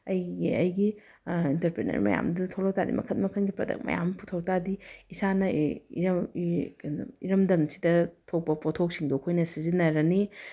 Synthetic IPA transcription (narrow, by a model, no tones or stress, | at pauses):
ɐjɡiɐjɡi | intɐɾpɾenɐ̰ɾmɐ̰ja̰mdutʰowlow̚taɾḭmɐ̰kʰɐt̚mɐkʰɐnɡipɾɐdɐ̰k̚mɐ̰ja̰mpʰutʰɐw̚tadiisanɐiɾ | iɾɐmdɐmsi̥dɐtʰok̚pɐpotʰok̚siŋdokʰojnɐsizinːɐɾɐni